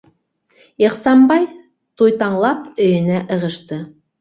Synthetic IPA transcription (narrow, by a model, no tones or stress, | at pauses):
iqsɑmbɑj | t̪ʰujt̪ɑɴlˠɑpɵ̆jɪ̆næʔə̆ʁəʃt̪ə